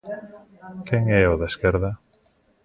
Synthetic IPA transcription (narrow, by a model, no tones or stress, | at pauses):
kɛŋɛoðaeskɛɾðɐ